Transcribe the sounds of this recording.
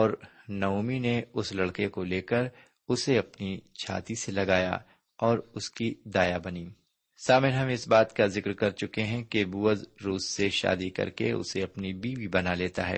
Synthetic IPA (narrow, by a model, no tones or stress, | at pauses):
ɔːɾnɐuːmineʊslɐɽkekoleːkəɾ | ʊseɐpnit͡ʃʰa̰ːt̪iselɐɡaːja̰ | ɔːɾʊskid̪aːjabɐniː | saːmɪnɦɐmɪsbaːt̪kazɪkɾkɐɾt͡ʃʊkeɦɛ̃kebuːəzɾuːsːeʃa̰ːd̪ikɐ̰ɾkḛʊ̰seɐpnibiːʋʱibɐnaleːt̪aɦɛ̰ː